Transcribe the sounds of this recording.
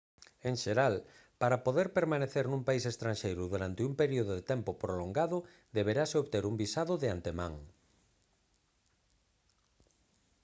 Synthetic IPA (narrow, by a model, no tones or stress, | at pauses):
eŋʃeɾal | paɾapoðeɾpeɾmaneθeɾnũmpaisest̪ɾanʃejɾʊðuɾant̪ɪumpeɾioðʊðet̪ɛmpopɾoloŋɡaðʊ | d̪eβ̞eɾaseoβt̪eɾumbisaðʊðeant̪emã̰ŋ